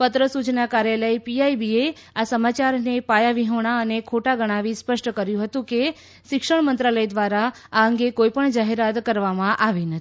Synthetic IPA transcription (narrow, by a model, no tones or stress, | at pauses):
pət̪ɾəsut͡ʃnakaɾjaləipiajbie | asəmat͡ʃaɾnepajaʋiɦəɽ̃aənekʰoʈaɡəɽ̃aʋispəʃʈəkəɾjũɦət̪ũke | ʃɪkʂəɳmənt̪ɾaləjd̪ʋaɾa | aəŋɡekoipəɳd͡ʒaɦeɾat̪kəɾʋamãʔaʋinət̪